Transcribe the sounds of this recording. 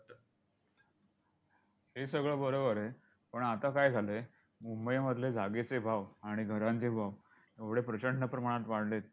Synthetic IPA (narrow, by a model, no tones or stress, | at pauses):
hesəɡɭəbəɾobəɾe | pəɳat̪akajd͡zʱale | mumbəjməd̪ʱled͡zʱaɡet͡sebʱaʋaɽ̃iɡʱəɾãnt͡sebʱaʋ | eʋɽ̤epɾət͡ɕəɳnəpɾəmaɽ̃at̪ʋaɽlet̪̚